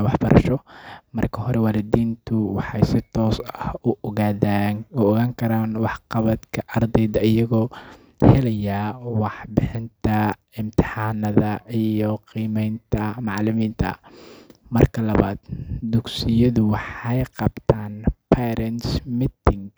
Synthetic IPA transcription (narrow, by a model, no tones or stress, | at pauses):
wɑħb̥ɐɾʔɐ̰ʃɔmɐrkʰɐɦɔɾɛwaːlɪd̪iːnt̪ʰʊwɑħɑjsɪt̪ʰɔːsɐhʊʔɣaːðaʊɔɣaːŋkʰɐɾaːnwɑħqɑβɐd̪kʰɐʔɐrd̪ɛjðɐʔɪjɐɣɔː | hɛlɐjaːwɑħbɪħɪnt̪ʰɐ | ɪmt̪ʰɪ̥ħɑːnɐðɐʔijɔqiːmɛjnt̪ʰɐmɑʕlɪmiːnt̪ʰɐ̰ | mɐrkʰɐlɐβa̰ːd̪d̪ʊɡsɪjɐðʊwɑħɑjqɑbt̪ʰaːnpʰɛɾɛnsmit̪ɪŋɡ